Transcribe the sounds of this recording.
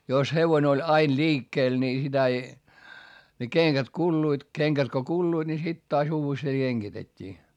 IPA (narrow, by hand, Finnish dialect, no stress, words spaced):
jos heʋone olʲ ɑin liːkːeːl niː sitæ ei ne keŋkæt kulːuit keŋkæt ko kulːuid̥ ni sit tɑːs uːʋesteː keŋɡ̊itetʲːiː